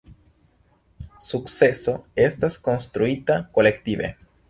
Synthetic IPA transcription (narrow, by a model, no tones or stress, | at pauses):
suksesoest̪askonst̪ɾuit̪akolekt̪iβḛ